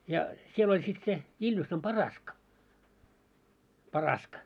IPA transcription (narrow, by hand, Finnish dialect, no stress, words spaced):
jɑ siel olʲ sit se iljusːɑm pɑrɑskɑ pɑrɑskɑ